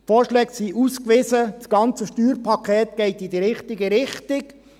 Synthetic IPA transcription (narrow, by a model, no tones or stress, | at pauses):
foːɾʃlɛːksiʔuskʋɪzəsɡ̥ɑnt͡səʃtyːɾpʰɑkʰɛːt̪ɡ̥ɛɪt̪id̪əɾɪχtɪɡəɾɪχtɪk